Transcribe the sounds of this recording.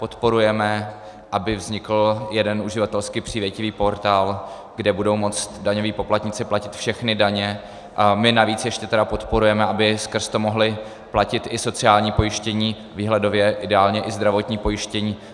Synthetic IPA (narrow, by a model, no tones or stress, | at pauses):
po̞t̪po̞ɾujɛmɛ | ʔabɪvzɲɪkl̩jɛdɛnuʒɪvat̪ɛlskipr̝̥iːvjɛcɪviːpo̞ɾt̪aːl | ɡdɛbudo̞wmo̞t͡st̪daɲo̞viːpo̞plat̪ɲɪt͡sɪplacɪt̪fʃɛxnɪdaɲɛ | mɪnaviːt͡sjɛʃcɛt̪ɛdapot̪po̞ɾujɛmɛʔabɪskr̩st̪omo̞ɦlɪ | placɪt̪ʔɪso̞t͡sɪaːlɲiːpo̞jɪʃcɛɲiː | viːɦlɛdo̞vjɛʔɪdɛaːlɲɛʔɪzd̪ɾavo̞t̪ɲiːpo̞jɪʃcɛɲiː